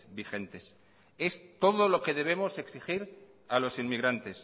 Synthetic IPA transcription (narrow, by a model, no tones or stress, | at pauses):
bixe̞nt̪e̞s | e̞st̪o̞ðo̞lo̞ke̞ðe̞β̞e̞mo̞se̞ksixiɾ | alo̞sinmiɣɾant̪e̞s